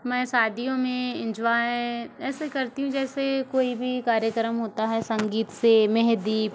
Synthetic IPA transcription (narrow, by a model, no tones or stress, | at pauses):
mɛ̃ːsaːd̪ʱijõmẽɪ̃ɲd͡ʒʋaɦɛɛːsekɐɾt̪iɦũd͡ʒɛːsekoːibʱikaːɾjəkɾəmɦoːt̪aɦɛsɐ̃ŋɡiːt̪semɛɦd̪iːp